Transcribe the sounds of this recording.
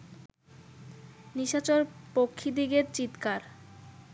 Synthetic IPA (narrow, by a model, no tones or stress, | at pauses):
niʃat͡ɕoɾpokʰːid̪iɡeɾt͡ɕit̪kaɾ